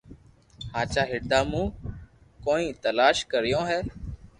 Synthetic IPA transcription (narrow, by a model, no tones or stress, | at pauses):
haːt͡ʃaːɦɪɽd̪aːmũː | koːnĩːt̪əlaːʃkəɾɪjõːɦɛː